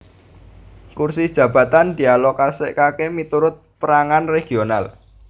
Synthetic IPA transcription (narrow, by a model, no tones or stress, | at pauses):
kursid̥ʒ̥ä̤b̥ä̤t̪and̪̥i̤alɔkasɪ̰ʔkakemit̪uɾʊt̪̚pəɾaŋanreɡ̥i̤onal